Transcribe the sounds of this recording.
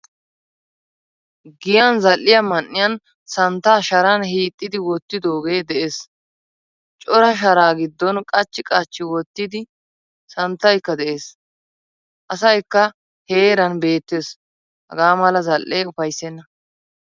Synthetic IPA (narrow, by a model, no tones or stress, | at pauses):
ɡɪjɐnzɐlʔːɪjɐmɐnːɪjɐn | sɐnt̪ːaːʃɐɾɐnhiːt̪ʼːɪd̪ɪwɔt̪ːɪd̪o̞ːɡe̞ːd̪ɛʔeːs | t͡ʃʼɔɾɐʃ̬ɐɾaːɡɪd̪ːɔnkʼɐt͡ʃːɪkʼɐt͡ʃːɪwɔt̪ːɪd̪ɪ | sɐnt̪ːɐjkːɐd̪ɛʔe̞ːs | ʔɐsɐjkːɐ | he̞ːɾɐnbe̞ːt̪ːeːs | hɐ̰ɡaːmɐlɐzɐlːeːʊfɐjsɛnːɐ